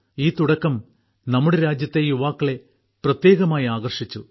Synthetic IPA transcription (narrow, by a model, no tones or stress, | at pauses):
iːt̪uɽɐkːɐm | nɐmːuɽeɾaːd͡ʑjɐt̪ːe̞juʋaːkːɐɭe̞ | prɐt̪je̞ːɣɐmaːjiaːɣɐrʂit͡ɕːu